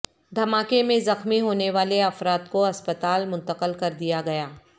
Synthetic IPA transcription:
d̪ʱɐmaːkemẽzɐxmiɦoːneʋaːleɐfɾaːt̪koɐspət̪aːlmʊ̃nt̪əqəlkɐɾd̪ijaɡɐjaː

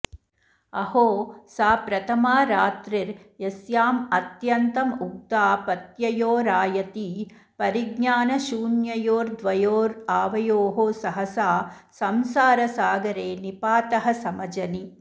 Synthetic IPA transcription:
ɐhoːsaːpɾɐt̪ʰɐmaːɾaːt̪ɾiɾ | jɐsjaːmɐt̪jɐnt̪ɐmuk̚t̪aːpɐt̪jɐjoːɾaːjɐt̪i | pɐɾiɡɲaːnɐʃuːnjɐjoːɾd̪ʋɐjoːɾaːʋɐjoːɦosɐɦɐsaː | sɐmsaːɾɐsaːɡɐɾeːnipaːt̪ɐɦɐsɐmɐd͡ʒɐni

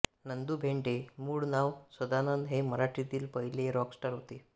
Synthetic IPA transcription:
nənd̪uːbʱeɳʈemuːɽnaʋsʋəd̪anənd̪ɦeməɾaʈɾit̪iːlpəjleɾɔksʈəɾɦot̪e

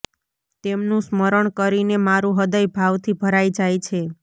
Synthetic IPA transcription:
t̪emnũsməɾəɳkəɾinemaɾũɦəd̪əjbʱaʋt̪ʰibʱəɾajd͡ʒajt͡ʃʰe

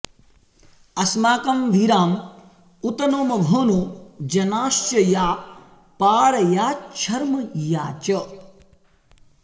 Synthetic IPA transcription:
ɐsmaːkɐmʋiɾaːm | ut̪ɐnoːmɐbʱɐːnuːd͡ʒɐnaːʃt͡ʃɐjaː | paːɾɐjaːt͡ʃʰɐɾmɐjaːt͡ʃɐ

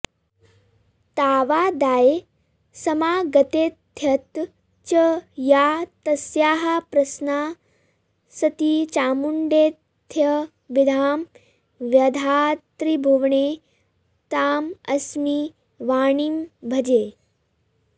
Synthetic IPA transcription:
t̪aːʋaːd̪aːje | sɐmaːɡɐt̪eːt̪ʰːjɐt̪ | t͡ʃɐjaːt̪ɐsjaːɦɐpɾɐsnaː | sɐt̪it͡ʃaːmuɳɖeːt̪ʰjɐ | ʋid̪ʱaːm | ʋjɐd̪ʱaːt̪ɾibʱuʋɳeː | t̪aːmɐsmi | ʋaːɳimbʱɐd͡ʒeː

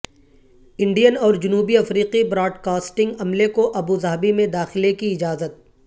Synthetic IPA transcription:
ɪ̃ɳɖijənɔːɾd͡ʒʊnuːbiɐfɾiːqibɾɔːɖkaːsʈɪ̃ŋɡɐmlekoʔɐbuzɐɦbimẽd̪aːxɪlekiɪd͡ʒaːzət̪̚

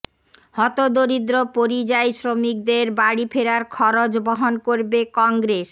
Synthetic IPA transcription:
hɔt̪od̪oɾid̪ɾopoɾid͡ʑajsɾomik̚d̪eɾbaɽipʰeɾaɾkʰɔɾod͡ʑboɦonkoɾbekɔŋɡɾes

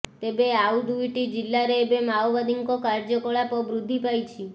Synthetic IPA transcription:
t̪ebeaud̪uiʈid͡ʒilːaɾeːbemawʋad̪iŋkokaɾd͡ʒɔkɔɭapɔbɾud̪ʱːipajt͡ʃʰi

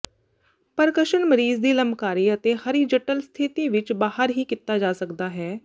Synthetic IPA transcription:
pəɾkəʃənməɾiːzd̪iːləmbkaːɾiːət̪eːhəɾiːd͡ʒəʈəlst̪ʰɪt̪iːʋɪt͡ʃbaːɦəɾɦiːkɪt̪aːd͡ʒaːsəkd̪aːɦɛː

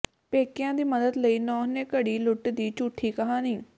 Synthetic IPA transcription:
peːkɪjãːd̪iːməd̪əd̪ləiːnɔːneːkəɽiːlʊʈd̪iːt͡ʃuːʈʰːiːkəɦaːniː

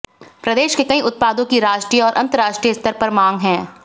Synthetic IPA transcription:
pɾɐd̪eːʃkekɐĩʊt̪̚paːd̪õkiɾaːʃʈɾiːɔːɾʔɐ̃nt̪əɾaːʃʈɾiːəst̪əɾpɐɾmãːŋɡɦɛ̃ː

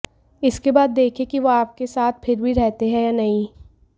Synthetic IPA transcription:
ɪskebaːd̪ːeːkʰekiʋoaːp̚kesaːt̪̚ʰpʰɪɾbʱiɾɛɦt̪eɦɛ̃jaːnɐɦĩ

